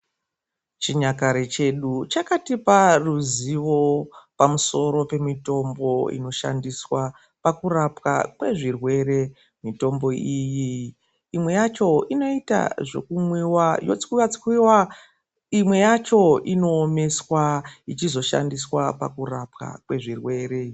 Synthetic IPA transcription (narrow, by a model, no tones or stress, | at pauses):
t͡ʃiɲakaɾet͡ʃe̞ɗut͡ʃakatiparuziʋo̞pamuso̞ɾo̞pe̞mito̞mbo̞ḭno̞ʃa̰ndiswa | pakurapka̰kwe̞ʐirwe̞ɾe̞ | mito̞mbo̞ijiː | mwe̞jat͡ʃo̞ino̞ita̰ʐe̞̰kumwiwajot͡si̥kwiwat͡si̥kwiwa | imwe̞jat͡ʃo̞ino̞ːme̞swait͡ʃizo̞ʃa̰ndiswapa̰kurapka̰kwe̞ʐirwe̞ːɾe